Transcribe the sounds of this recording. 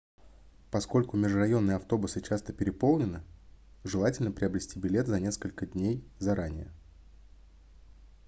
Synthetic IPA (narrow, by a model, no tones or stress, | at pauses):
pɐsko̞lʲkʊmʲɪʐrɐjo̞nːɨjəɐft̪o̞bʊsɨt͡ɕast̪əpʲɪɾʲɪpo̞lˠnʲɪnɨ | ʐɨlˠatʲɪlʲnəpɾʲɪɐbɾʲɪsʲtʲibʲɪlʲe̞t̪zɐnʲeskəlʲkədʲnʲejzɐɾʔanʲɪjə̰